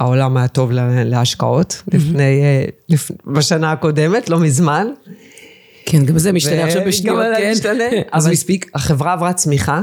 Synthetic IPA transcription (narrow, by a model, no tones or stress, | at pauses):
aolamajato̞vleleaʃka̰o̞tlifne̞jlifbaʃanaako̞de̞me̞tlo̞mizman | kʰenɡamzemiʃtvaneaχʃabeʃnaleaneavamispikaχevʁaːvʁat͡smiχa